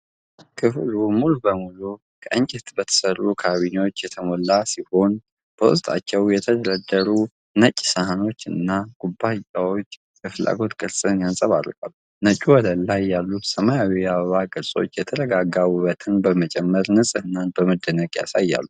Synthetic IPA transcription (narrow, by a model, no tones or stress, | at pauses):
kʰɨflumulbəmulu | kʰəʔɨɲt͡ʃʼɪt̪bət̪ʰə̥sərːukʰaβiɲwot͡ʃːjɛt̪ʰəmolːasiho̞n | b̥əwṵst̪ʼa̰t͡ʃːɛwjɛt̪ʰəd̪əɾəd̪ːəɾu | nət͡ʃʼːsəhano̞t͡ʃːɨ̰nːaɡ̥ubːaawo̞t͡ʃː | bəfɨlʔa̰ɡo̞t̪kʼɨɾsʼɨnjansʼəβa̰ɾkʼa̰lːu | nət͡ʃʼuwɔd̪əlajːalːut̪səmajawiaβəβakʼɨɾsʼo̞̰t͡ʃːjɛt̪ʰəɾəɡaɡawuβət̪ʰɨnbəmət͡ʃʼɛmːəɾnɨsʼɨhɨnːanbəməd̪ːənəɡja̰sajːa̰lːu